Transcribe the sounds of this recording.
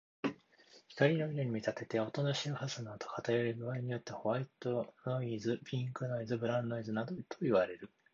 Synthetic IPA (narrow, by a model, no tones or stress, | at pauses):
çi̥kaɾʲino̞iɾoɲ̟imʲit̪at̪e̞t̪e̞o̞t̪o̞noɕiohasɨnaːt̪o̞̥kat̪ajoɾiɡɯ̟βaiɲ̟ijo̞t̪ːe̞ho̞βait̪o̞no̞izɨpʲĩŋkɯ̟noizɨbɯ̟ɾãnd̪oizɨnad̪ot̪ʰo̞iβaɾe̞ɾɯ̟